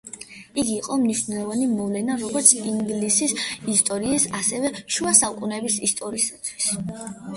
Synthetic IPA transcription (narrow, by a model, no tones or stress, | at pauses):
iɡiːqʼɔmniʃnɛlˠɔvanimɔvlɛnaɾɔɡɔɾt̪sʰiŋɡlisisist̪ʼɔɾiːsasɛvɛʃuasakʼunɛbisḭst̪ʼɔɾiːsat̪ʰwi̥s